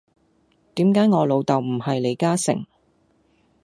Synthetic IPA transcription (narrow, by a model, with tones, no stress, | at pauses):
t̪iː˨˥mkaː˨˥jŋɔː˨˧lo˨˧wt̪ɐ˨wm̩˨˩hɐ˨jle˨˧jkaː˥sɪ̰˨˩ŋ